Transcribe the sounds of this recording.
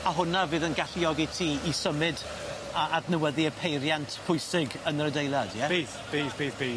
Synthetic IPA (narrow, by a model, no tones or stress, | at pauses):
aɦʊnavɨːðənɡaɬiɔɡɪtʰiːsəmɨd | aadnəwɛðiəpʰejɾjantʰpʰʊjsɪɡənəɾədejlˠad̥jɛiːθbiːθbiːθbiː